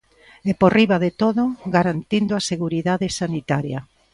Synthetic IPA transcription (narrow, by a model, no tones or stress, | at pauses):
eporiβaðet̪oðʊɡaɾant̪ind̪ʊaseɣuɾiðaðesanit̪aɾjɐ